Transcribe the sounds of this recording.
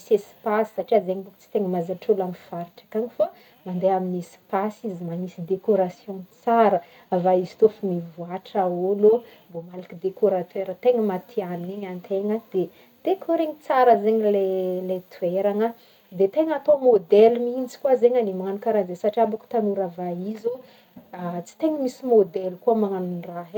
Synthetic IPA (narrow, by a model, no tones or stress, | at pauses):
isespasi̥saʈ͡ʂiazeɲibukt͡si̥t̪eŋəmazaʈ͡ʂolamifaɾiʈ͡ʂḁkaɲifa | mand̪eaminespasizimanisid̪ekoɾasjõnt͡saɾə | avaizi̥t̪ofumivuaʈ͡ʂaolo | bomalakid̪ekoɾat̪eɾət̪eŋəmat̪ʰianeɲant̪ʰeŋəd̪̥e | d̪̥ekʰoɾeɲit͡saɾəzeɲilelet̪ʰueɾaŋə | d̪et̪eŋat̪omod̪elmint͡si̥kuwazeɲanimaŋanukaɾazesaʈ͡ʂiabaku̥t̪anuɾavaizo | t͡si̥t̪eŋəmisimod̪ɛlkuəmaŋanunraɦ